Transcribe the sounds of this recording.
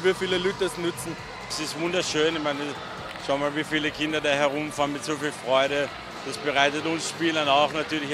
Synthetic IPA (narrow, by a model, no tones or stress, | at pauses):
viːfiːləlytəsnʏt͡sn̩ | sɪstvʊndɐʃøːnɪçmaɪnə | ʃaʊənmaːlviːfiːləkʰɪndɐdaːɦɛɐʁʊmfaːʁnmɪtz̥oːfiːlfʁ̥ɔʏɾə | d̥asb̥əʁaɪtətʊnsʃpiːlənaʊxnatʰyːɐlɪç